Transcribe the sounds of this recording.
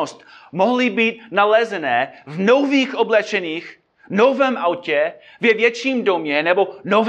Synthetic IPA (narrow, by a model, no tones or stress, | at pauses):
ost̪moɦlɪbiːt̪̚nalɛzɛnɛːvnowviːxʔoblɛt͡ʃɛniːx | novɛːmʔawcɛ | vɛvjɛt͡ʃiːmdomɲɛnɛbo̞nov